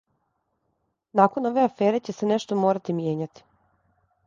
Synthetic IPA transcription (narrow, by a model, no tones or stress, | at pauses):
nako̞no̞ʋe̞afeːɾe̞t͡ɕe̞seneʃt̪omo̞ːɾat̪imjeːɲat̪i̥